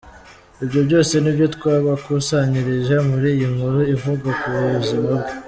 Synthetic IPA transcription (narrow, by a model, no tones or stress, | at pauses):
ibɟo̞bɟo̞ːse̞nibjo̞t̪kwaːβakusaɲiɾiʒemuɾiːjiŋhuɾuivuɡakuβuuuzimabɡe